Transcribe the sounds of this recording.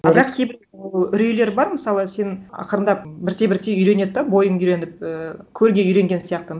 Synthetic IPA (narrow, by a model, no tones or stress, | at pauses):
bɪɾɑq̚kʲʰe̞jbɪɾʏɾejle̞ɾbɑɾməsɑlˠəse̞nɑ̰qəɾənd̪ɑp̚bɪɾt̪ʰe̞bɪɾt̪ʰeʏjɾe̞ne̞d̪d̪ɑbo̞jəɴʏjɾe̞nɪp̚əkʲʰɵɾɡʲe̞ʏjɾe̞ŋɡʲe̞nsijɑq̚t̪əm